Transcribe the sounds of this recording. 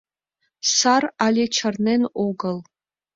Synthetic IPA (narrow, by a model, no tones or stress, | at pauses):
saralʲet͡ʃʰarnenoɡɐl